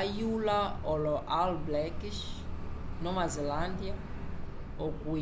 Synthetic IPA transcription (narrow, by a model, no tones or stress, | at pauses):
julaɔlɔʔalblɛkiʃ | nɔmazɛlandia | oku